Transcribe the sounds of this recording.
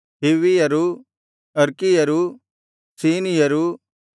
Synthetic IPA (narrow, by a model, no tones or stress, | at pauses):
ɦiʋijɐɾu | ɐɾkijɐɾu | siːnijɐɾu